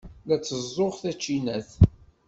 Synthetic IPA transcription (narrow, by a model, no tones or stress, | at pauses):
ðæt͡sːəzˤːoʁθæt͡ʃːinæθ